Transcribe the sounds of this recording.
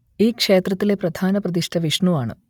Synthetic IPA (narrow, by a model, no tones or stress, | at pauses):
iːkʂe̞ːt̪rɐt̪ːile̞prɐd̪ʱaːnɐprɐd̪iʂʈʰɐʋiʂɳuʋaːɳɨ̰